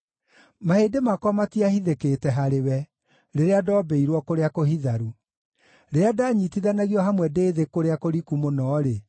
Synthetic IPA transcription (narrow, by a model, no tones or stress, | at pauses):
maheːdemakwamatiahiðeketɛɦaɾewɛ | ɾeɾeadɔːbɛiɾwɔkoɾeakohiðaɾu | ɾeadaɲitiðanaɣijɔɦamwɛdeːðekoɾeakoɾikumonɔːɾe